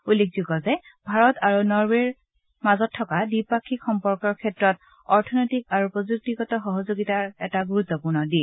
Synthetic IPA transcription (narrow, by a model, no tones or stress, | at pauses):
ulːek̚ʰzuɡɔzɛ | bʱaɹɔtaɹunɔɹbeɹ | mazɔtʰːɔkadipakʰːikxɔmpɔɹkɔɹkʰɛtɹɔt | ɔɹtʰɔnɔjtikaɹupɹɔzuk̚tiɡɔtɔxɔɦɔzoɡitaɹɛtaɡuɹut̪ːɔpuɹnɔdi